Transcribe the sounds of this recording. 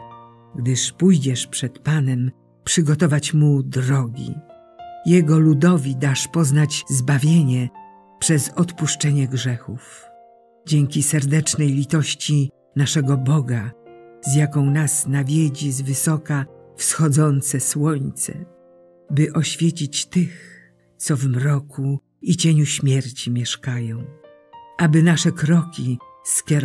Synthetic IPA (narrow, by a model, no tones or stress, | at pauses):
ɡd̪ɘʂpujd͡ʑɛʂpʂɛt̪panɛm | pʂɘɡɔt̪ɔvat͡ɕmud̪ɾɔɡʲḭ | jɛɡɔlud̪ɔvʲid̪aʂpɔznad͡ʑzbavʲjeɲɛ | pʂɛzɔt̪puʂt͡ʂɛɲɛɡʐɛxuf | d͡ʑeŋkʲisɛɾd̪ɛt͡ʂnɛjlʲit̪ɔɕt͡ɕi | naʂɛɡɔbɔɡazjakɔ̃w̃nasnavʲjed͡ʑizvɘsɔkafsxɔd̪zɔnt̪sɛswɔɲt̪sɛ̰ | bɘʔɔɕfʲjet͡ɕit͡ɕt̪ɘx | t̪sɔvmɾɔku | it͡ɕeɲuɕmʲjɛɾt͡ɕimʲjɛʂkajɔ̃w̃ | ʔabɘnaʂɛkɾɔkʲi | skʲɛɾ